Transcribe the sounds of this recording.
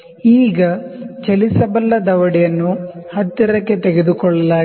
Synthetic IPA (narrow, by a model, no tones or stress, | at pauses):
iːɡɐt͡ʃɐlisɐbɐlːɐd̪ɐʋɐɽijɐnːuhɐt̪ːiɾɐkːe̞t̪eɡed̪ukɔɭːɐlaː